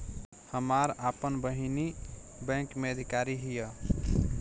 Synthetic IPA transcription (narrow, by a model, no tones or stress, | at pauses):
həmaɾapənbəɦini | bɛ̃ŋkmeəd̪ʱikaɾiɦijə